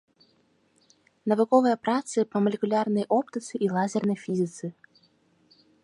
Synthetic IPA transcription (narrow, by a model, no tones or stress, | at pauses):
nɐvɨkɔvɨjəpɾat̪sɨpəmɐlʲɪkʊlʲarnəjʔopt̪ət̪sɨʔilˠazʲɪrnəjfʲizʲɪt̪sɨ